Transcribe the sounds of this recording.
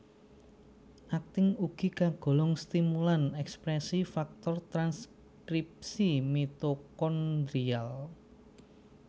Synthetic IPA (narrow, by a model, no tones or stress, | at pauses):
ʔak̚t̪ɪŋuɡ̥i̤kaɡ̥o̤lɔŋst̪imulanɛkspɾɛsifak̚t̪ɔrt̪ɾans | kɾip̚simit̪okɔnd̪ɾial